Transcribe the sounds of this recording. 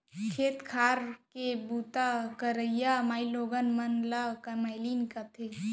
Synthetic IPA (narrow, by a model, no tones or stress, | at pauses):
kʰeːt̪kʰaːɾkebuːt̪akəɾəijamaːiloɡənmɐnlakəmajliːnkɐt̪ʰe